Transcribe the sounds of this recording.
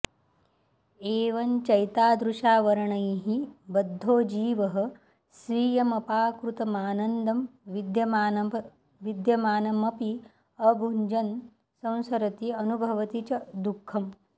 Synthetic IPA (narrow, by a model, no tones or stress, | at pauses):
eːʋɐnt͡ʃɐjt̪aːd̪ɾuʃaːʋɐɾɐɳɐjɦibɐd̪ʱːoːd͡ʒiːʋɐɦɐ̆ | sʋiːjɐmɐpaːkɾut̪ɐmaːnɐnd̪ɐmʋid̪jɐmaːnɐbʱ | ʋid̪jɐmaːnɐmɐpi | ɐɡʱuɲd͡ʒɐn | sɐ̃w̃sɐɾɐt̪iɐnubʱɐʋɐt̪it͡ʃɐd̪ukʰːɐm